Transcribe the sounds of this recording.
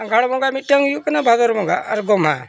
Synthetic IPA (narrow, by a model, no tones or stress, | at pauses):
aŋɡʱaɽmɔŋɡamiəŋjukənabʱad̪ɔɾmɔŋɡa̰ɾɡɔmɦa̰